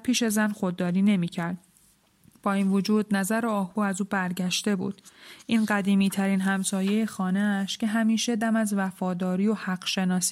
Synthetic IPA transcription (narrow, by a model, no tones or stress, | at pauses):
pʰiːʃe̞zænxo̞d̪̚ːɒːɾiːne̞miːcʰæɾd̪̥̚ | b̥ɒːiːnvod͡ʒuːd̪̚næzæɾoɒːhbuːæzuːbæɾɟæʃt̪e̞bṵːd̪̥ʔiːnɢæd̪iːmiːt̪ʰæɾinɦæmsɒːje̞jexɒːneæʃcʰe̞ɦæmiːʃe̞d̪æmæzvæfɒːd̪ɒːɾiːjohæɢʃe̞nɒːs